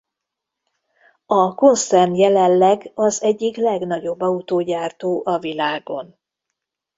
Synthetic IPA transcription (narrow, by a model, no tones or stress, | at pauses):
ɒko̞nsɛrnjɛlɛlːɛɡɒzɛɟːiklɛɡn̪ɒɟo̞bːɒut̪oːɟaːrt̪oːʔɒvilaːɡo̞̰n